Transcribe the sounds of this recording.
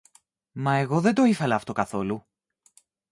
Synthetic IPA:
mɐe̞ɣo̞ðed̪oifɐlɐːft̪o̞kɐθo̞lu

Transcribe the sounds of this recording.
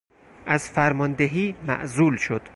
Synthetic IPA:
ʔæzfæɾmɒnd̪eɦiːmæ̰ʔzuːlʃo̞d̪̥

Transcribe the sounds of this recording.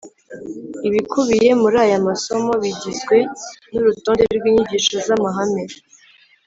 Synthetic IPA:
iβikʰuβije̞muɾaːjamaso̞mo̞βiɟizɡwe̞nuɾutoːndeiɾɡwiːɲiɟiːʃozamaɦame̞

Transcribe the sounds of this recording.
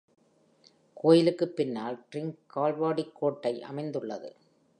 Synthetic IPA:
kʰoːjɪlɯkːɯpːɪnːaːlʈɾɪŋɡkːaːlʋaːɽikʰːoːʈːɐɪʔɐ̰mɐɪnd̪ɯɭːɐðɯ̰

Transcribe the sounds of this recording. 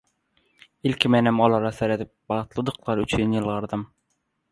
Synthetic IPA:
ilʲkʲʰimenimolˠɑɾɑseɾet̪ip̚bɑʁt̪lˠɯd̪ɯqlˠɑɾyt͡ʃʰynjɯlˠʁɤɾd̪ɯm

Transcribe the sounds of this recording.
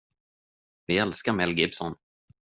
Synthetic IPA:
vɪɛlskaɾmɛlɡɪbsɔ̰n

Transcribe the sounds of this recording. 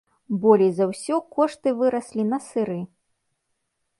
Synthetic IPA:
bɔlʲijzɐwsʲɔkɔʂt̪ɨvɨɾɐsʲlʲinɐsɨɾɨ

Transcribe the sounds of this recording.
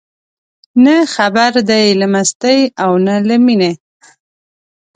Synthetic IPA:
nəxabaɾd̪ajlamast̪əjawnalamine

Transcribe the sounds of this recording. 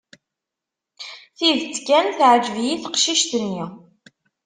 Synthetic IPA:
θiðt͡sːkænθʕəd͡ʒəvjiθə̥qʃiʃt̪nːi

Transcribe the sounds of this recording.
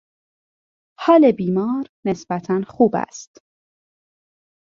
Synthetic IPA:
hɒːlebiːmɒːɾne̞sb̥æt̪ʰænxuːbæ̰st̪

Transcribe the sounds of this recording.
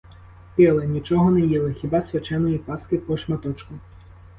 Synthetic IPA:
pʲɛlˠɐnʲit͡ʃɔɦɔnɛjɛlˠɐxʲibasʲvʲat͡ʂɛnɔjipaskɪpɔʂmat̪ɔt͡ʂkʊ

